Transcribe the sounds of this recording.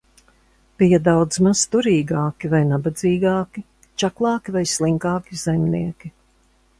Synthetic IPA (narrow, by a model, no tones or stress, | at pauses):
pijad̪awd̪zmast̪uɾiːɡaɑːkʲivajnabad̪ziːɡaɑːkʲi | t͡ʃaklˠɑːkivajslˠiŋkɑːkʲizajmniɛkʲi